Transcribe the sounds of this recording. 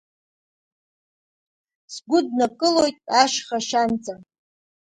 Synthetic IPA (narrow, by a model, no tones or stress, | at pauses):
sɡʷʊdnakʼɨlo̞jtʼaʃχaʃant͡sʼam